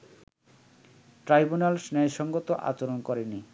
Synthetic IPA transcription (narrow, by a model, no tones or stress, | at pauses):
ʈɾajbunalsnɛeʃɔŋɡot̪oʔa̰t͡ɕoɾonkɔɾeni